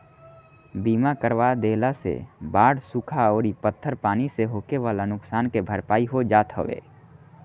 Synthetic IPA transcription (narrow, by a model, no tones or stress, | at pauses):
biːmakəɾʋad̪eːlasḛbaːɽsukʰaɔːɾipət̪ʰːəɾpaːniseɦoːkeʋaːlanʊksaːnkebʱəɾpaːiɦod͡ʒaːt̪ɦə̰ʋḛː